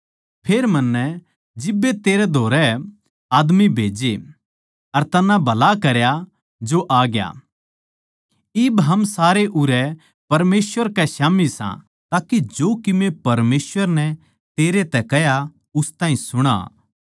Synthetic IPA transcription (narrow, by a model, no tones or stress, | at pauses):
pʰeːɾmɐnːɛ | d͡ʒɪbːet̪eːɾɛd̪ʱoːɾɛ | aːd̪mibʱeːd͡ʒe | ɐɾt̪ɐnːãbʱɐlakɐɾja | d͡ʒoʔaːɡja̰ | ɪbɦɐmsaːɾeʔʊɾɛ | pɐɾmeːsʋəɾkɛʃaːmisã̰ | t̪aːkid͡ʒoːkɪmepɐɾmeːsʋəɾnɛ | t̪eːɾet̪ɛkɛɦja | ʊst̪ãːĩsʊɽ̃a̰ː